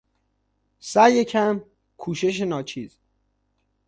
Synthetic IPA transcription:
sæjecʰæm | kʰuːʃe̞ʃ̬enɒːt͡ʃʰiːz̥

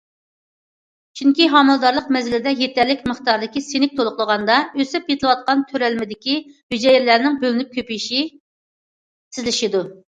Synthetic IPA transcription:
t͡ʃʰyŋkʲiɦɑmɨlˠd̪ɑɾlˠəqmɛzɪlɪd̪ɛjet̪ʰæɾlːɪkʲməχt̪ɑɾd̪ɪkʲisenɪk̚ʲt̪ʰolˠʊχlˠəʁɑnd̪ɑøsɪpjet̪ʰɨlˠɨwɑt̪̚qɑnt̪ʰøɾɛlmɪd̪ɪkʲihyd͡ʒɛjiɾlæɾnɪŋbølɪnyp̚kʲʰøpijiʃi | sɪzlɪʃid̪u

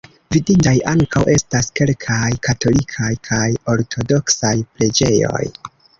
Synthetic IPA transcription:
vidintajʔaŋkawʔe̞staske̞lkʰajkato̞likʰajkʰajo̞ɾtʰo̞do̞ksajpɾe̞d͡ʒe̞jo̞̰j

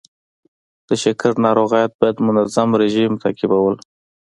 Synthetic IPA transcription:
d̪̥əʃakaɾnɑɾoɣajat̪̚bɑjad̪mʊnazamɾɪʒimt̪a̰kɪbawəl

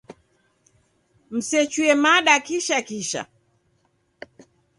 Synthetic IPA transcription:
m̩sɛt͡ʃuɛmaɗakiʃakiʃa̰

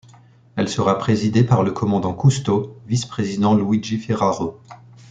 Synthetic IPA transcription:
ɛlsəʁapχezid̪epaʁləkʰɔmɑ̃d̪ɑ̃kust̪ovispχezid̪ɑ̃lwiʒifɛʁaʁo

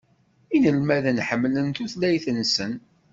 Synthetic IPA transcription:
inəlmæðənħəmːlənt̪uθlæjθənsən

